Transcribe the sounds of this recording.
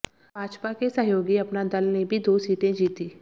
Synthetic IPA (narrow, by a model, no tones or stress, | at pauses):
bʱaːd͡ʒpakesɐɦjoːɡiɐpnad̪ɐlnebʱid̪oːsiːt̪ẽd͡ʒiːt̪iː